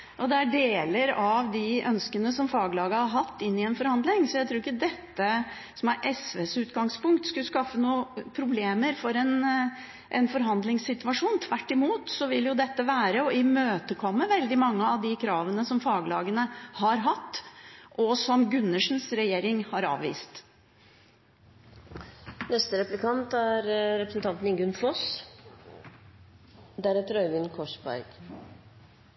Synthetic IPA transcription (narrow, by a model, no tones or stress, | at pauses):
ʔɔd̪ɛæɖeːləɾɑʋd̪ɪʔœnskənəsɔmfɑːɡlɑːɡəhɑɾɦɑt̪ːɪnːɪɛnfɔɾhɑnd̪lɪŋsɔjæɪt̪ʰɾuːɾɪçəd̪ɛt̪ːə | sɔmæɾʔɛsʋeːsʉːt̪ɡɑŋspʊŋk̚t̪skʉskɑfːənuːəpʰɾʊbleːməɾfɔɾɛn | ʔɛ̰nfɔɾɦɑnd̪lɪŋsɪt̪ʉʋɑʂuːnt̪ʰʋæʈːɪmuːt̪sɔʋɪljʊd̪ɛt̪ːəʋæːɾəɔɪmøːt̪əkʰɔmːəʋɛld̪ɪmɑŋːəɑʋd̪ɪkʰɾɑːʋənəsɔmfɑːɡlɑ̰ːɡənəhɑɾɦɑt̪ːʔɔsɔmɡʉnːəʂn̩sɾɛjeːɾɪŋhɑɾɑ̰ːʋʋḭːst̪ | nɛst̪əɾɛplɪkʰɑnt̪æɾɾɛpɾəsnt̪ʰɑnt̪n̩ɪŋɡʉnfɔs | d̪æɾæt̪ɾœʏʋɪnkʰɔʂbɑ̰ɾɡ̥